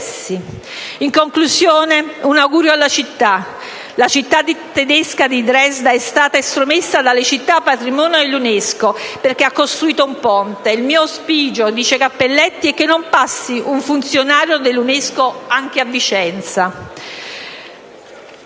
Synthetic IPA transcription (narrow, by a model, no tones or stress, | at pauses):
si | iŋkoŋkluzjoːneunawɡuːɾjoalːat͡ʃit̪ːa | lat͡ʃit̪ːad̪it̪ed̪eskad̪id̪ɾɛzd̪aɛst̪aːt̪aest̪ɾomesːad̪alːet͡ʃit̪ːapːat̪ɾimɔːnjoelːuneskoperk̟eakːost̪ɾuiːt̪oumpɔnt̪eilmiːospiːd͡ʒod̪iːt͡ʃekapːelːɛt̪ːiɛkːenːompasːiʔuɱfunt̪sjonaːɾjod̪elːuneskoaŋk̟eavːit͡ʃɛnt̪sa